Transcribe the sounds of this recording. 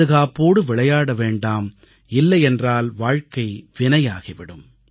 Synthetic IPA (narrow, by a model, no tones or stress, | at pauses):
ɯɣaːpoːɽɯʋɪɭɐjaːɽɐʋeːɳɖaːm | ɪlːɐjɛndraːlʋaːɻkɐɪʋɪnɐjaːɣɪʋɪɽɯm